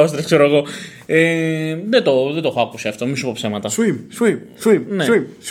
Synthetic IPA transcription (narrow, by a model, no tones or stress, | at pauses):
ost̪ɾɐkseɾoeɣo̞ | eðet̪oðed̪oxoɐkusiɐft̪omisupopsemɐt̪ɐsimsisimneis